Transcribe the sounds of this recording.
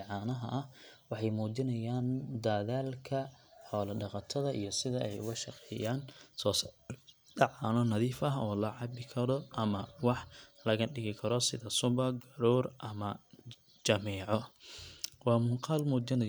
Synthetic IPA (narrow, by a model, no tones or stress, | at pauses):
ʕɑːnɐɦɐ̰ʔɐhwɑħɑjmuːd͡ʒɪnɐjaːnd̪aːðaːlkʰɐħɔːlɐɖɑqɑt̪ʰɐðɐʔḭjɔsɪðɐʔɛjʊ̰ɣɐʃɑqɛːjaːnsɔːs | ɖɑʕɑnɔnɐðiːfɐɦɔːlɐʕɑbɪkʰɐɾɔʔɐmɐwɑħlɐɣɐɖɪɣɪkʰɐɾɔsɪðɐsʊbɐɡɐɾɔːrʔɐmɐ | d͡ʒɐmɛːʕɔ | wɑːmʊŋqɑːlmuːd͡ʒɪnɐ